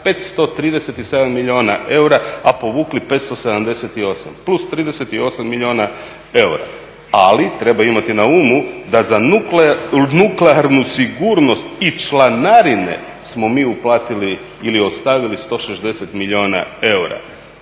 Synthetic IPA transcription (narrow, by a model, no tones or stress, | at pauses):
pe̞t̪st̪o̞t̪ɾiːd̪e̞set̪ise̞d̪amːiʎio̞ːnaʔe̞uɾaapo̞ʋuːklipe̞t̪st̪o̞se̞d̪amd̪e̞set̪io̞sa̰mplust̪ɾiːd̪ese̞t̪io̞samːiʎio̞na | e̞uɾa̰ | alit̪ɾe̞baimat̪inauːmud̪aza | nukleaɾnusiɡuɾno̞st̪it͡ʃlˠanaɾine̞̰ | smo̞miːuplˠaːt̪iliː | lio̞st̪aʋilist̪o̞ʃezd̪e̞set̪miʎʲio̞na̰e̞uɾa̰